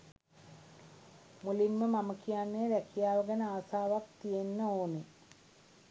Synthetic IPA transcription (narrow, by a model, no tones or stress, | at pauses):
mulimːəmaməkijanːeəɾækijaːʋəɡənəaːsaːʋak̚t̪ijenːəoːne